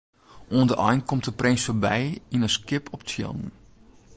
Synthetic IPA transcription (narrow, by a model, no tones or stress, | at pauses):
ʔuəndəʔɔ̰jnkɔmtdəprɪnsforbɛjinəskɪpʰɔp̚tʰjɪ̰lˠnn